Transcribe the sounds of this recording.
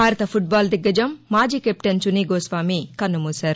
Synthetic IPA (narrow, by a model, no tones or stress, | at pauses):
bʱaːɾɐt̪ɐpʰuʈ̚baːld̪iɡːɐd͡ʒɐmːaːd͡ʒiːkep̚ʈɐnt͡ʃuniːɡoːsʋaːmikɐnːumuːsaːɾu